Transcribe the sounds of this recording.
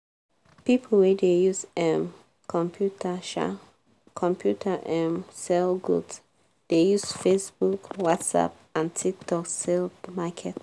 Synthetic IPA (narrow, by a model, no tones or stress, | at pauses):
pipʰol̩wɛdejusɛ̃m | kʰɔ̃mpʰjutaʃa̰ | kʰɔ̃mpʰjutʰaʔɛ̃msɛlɡṵds | d̥ejusfesbukwɔtsa̰p̚ | ãntʰik̚tʰɔksɛlmakʰɛt